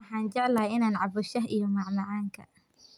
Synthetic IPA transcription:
ħaːnd͡ʒɛʕlaɪnaːnʕɑbʊʃɐɦʔijɔmɑʕmɑʕaːŋkʰɐ̰

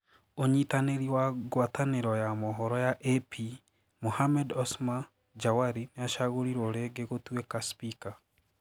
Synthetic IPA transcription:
oɲitaneɾiwaɣwataneɾɔjamɔɦɔɾɔjaʔepʰi | mohamɛdɔsma | d͡ʒawaɾineaʃaɣoɾiɾoɾeɡeɣotwekaspika

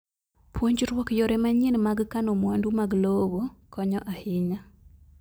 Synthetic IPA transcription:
pwoɲd͡ʒɾwɔkjoɾɛmaɲenmaɡkanomwandumaɡlobokɔɲɔʔahɪɲa

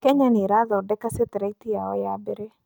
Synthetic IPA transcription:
kɛɲaniɾaðɔdɛkaset̪ɛɾɛit̪iaɔjabeɾe

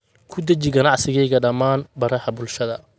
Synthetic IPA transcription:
kʰʊd̪ɐt͡ʃɪɡɐnɑʕsɪɣɛjɣɐɖɐmːaːnbɐɾɐhɐbʊlʃɐðɐ

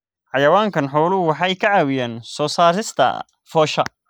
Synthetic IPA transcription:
ħɑjɐwaːŋkʰɐnħɔwlʊwɑħɑjkʰɐʕɑːwɪjaːnsɔːsaːɾɪst̪ʰɐ̰ | fɔːʃɐ̰

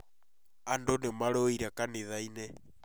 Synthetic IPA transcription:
andonemaɾoiɾakaneðainɛ

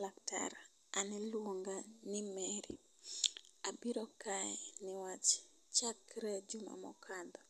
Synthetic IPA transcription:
lakta̰ɾ | anɛlwoŋɡanɪmɛɾḭ | abiɾɔkaɛnɪwat͡ʃ | t͡ʃakɾɛd͡ʒuma̰mɔ̰kʰand̪ɔ

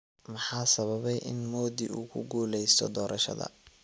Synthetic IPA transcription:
mɑħɑːsɐβɐβɛjʔɪnmɔːd̪iuːkʰʊɡuːlɛjst̪ʰɔ̰d̪ɔːɾʔɐʃɐ̰ðɐ̰

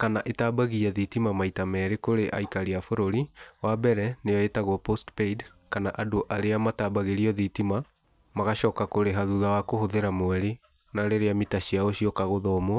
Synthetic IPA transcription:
kanaʔetabaɣiaðitimamaitamɛːɾekoɾeʔa̰ikaɾeafoɾoɾiwabɛɾɛnejɔetaɣɔpostpeid | kanaʔadoʔaɾeamataːbaɣeɾiɔðitima | maɣaʃɔːkakoɾeɦaðuðawakohoðeɾamwɛɾe | naɾeɾeamitaɕiaoɕiɔkaɣoðɔmo

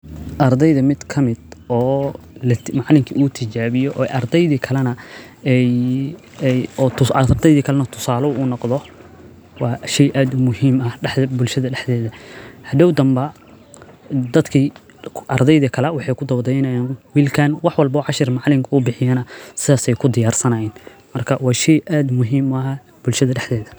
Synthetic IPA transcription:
ʔɐɾd̪ɛjðɐmɪd̪kʰɐmɪd̪ɔː | lɐmɑʕlɪŋkʰiʔuːt̪ʰɪt͡ʃaːβɪjɔʔɔʔɐrd̪ɛjðikʰɐlɐnɐ | ɛj | jɔːrd̪ɛjðiːkʰɐlɛnɐt̪ʰʊ̥saːlɔuːnɔqðɔ | wɑːʃɛjʔaːd̪ʊmʊhiːmɐɖɛħɐbʊlʃɐðɐɖɛħd̪ɛːðɐhɐd̪ɐwd̪ɐmbɐ | d̪ɐd̪kʰiː | ʔɐrd̪ɛjðɐkʰɐlɛwɑħɑjkʰʊd̪ɔwd̪ɛjnɐjaːnwiːlkʰaːnwɑħwɑlbɔːʕɑʃɪrmɑʕlɪŋkʰɐʊbɪħɪjanɐsɪðaːsɛjkʰʊd̪ɪjaːrsɐnɐjaːn | mɐrkʰɐwɑːʃɛjʔaːd̪mʊɦiːmɐ | b̥ʊlʃɐðɐɖɛħðɛːðɐ

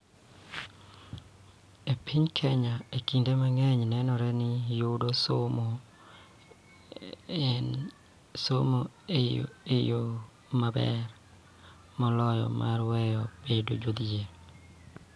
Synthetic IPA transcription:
epʰiɲkʰɛɲaekindemaŋɛɲnɛnɔɾɛnɪjodosomo | somoeo̰ejo | mabɛ̰ɾ | mɔlɔjɔ̰mʔaɾwɛjɔb̥edo̰d͡ʒod̪d͡ʒe

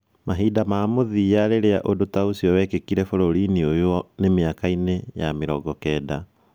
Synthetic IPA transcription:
maɦiːdamaːmoðijaɾeɾeaʔodotaosiɔwɛkekiɾɛfoɾoɾiniojoɔnemeakainejameɾɔɡɔkɛːda

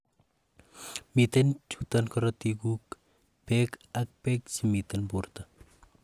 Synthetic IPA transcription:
mit̪ɐnt͡ʃʰut̪ɐnkɐɾɐt̪iɡuk | pekɐk̚pek̚t͡ʃimit̪ɐnbuɾt̪ɐ

